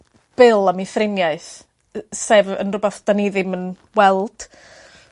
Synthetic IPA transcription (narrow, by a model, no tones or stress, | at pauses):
b̥ɪlˠamifrɪnjaɨθ | seːvə̰nrʊbɛθd̥aniðɨmən | wɛlˠd̥